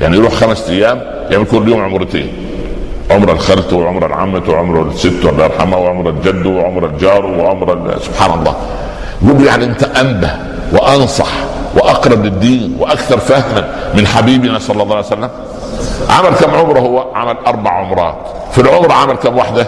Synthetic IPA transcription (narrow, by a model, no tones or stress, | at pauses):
jʔaʕnijɾˤuːħxæmæsʔ̪æjːæːm | jaʕmikʊlːjoːmʕomɾɪt̪ḛːn | ʕomɾˤɑlxælt̪wɪʕomɾˤɑ̰lʕa̰mːæt̪wɪʕomɾˤɑlsɪt̪ːwælːæɑɾˤħa̰mæwɪʕomɾˤæld͡ʒæd̪ːwɪʕomɾˤɑld͡ʒɑːɾˤwɪʕomɾˤɑ̰sʊb̥ħaːnɑ̰lˤːɑ̰ː | ɡuːlːujaʕniʔɪnt̪æʔæmbæh | wɪʔɑnsˤɑ̰ħwɪʔɑqɾˤɑblɪd̪ːiːnwɪʔækθɑɾˤfæhmænmɪnħabiːbɪnæsˤɑlːɑlˤːɑːʕajsælːæm | ʕa̰mælkæːmʕomɾˤɑhʊwːæʕamælʔɑɾˤbaʕʕomɾˤɑːt̪ | filʕomɾˤɑʕamælkæːmwaħd̪æ